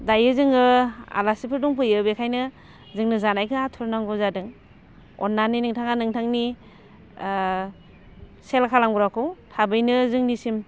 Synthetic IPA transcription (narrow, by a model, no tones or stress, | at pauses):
dajɯzɯŋɯa̰lasipʰɯɾduŋpʰɯjɯbekʰajnɯ | zɯŋnɯzanajkʰɯatʰuɾnaŋɡɔzadɯŋ | ɔ̰nːaninɯŋtʰaŋanɯŋtʰaŋni | selkʰalaŋɡuɾakʰɯwtʰabɯjnɯzɯŋnisim